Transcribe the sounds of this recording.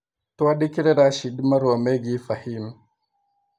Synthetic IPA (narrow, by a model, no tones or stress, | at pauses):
tuwaɗikiɾeɾaʃidimaɾwameɡifahim